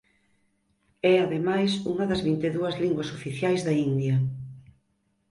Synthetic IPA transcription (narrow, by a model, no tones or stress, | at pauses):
ɛaðemajsuŋɐðɐzβint̪eðuɐzliŋɡwɐsofiθjajzðɐind̪jɐ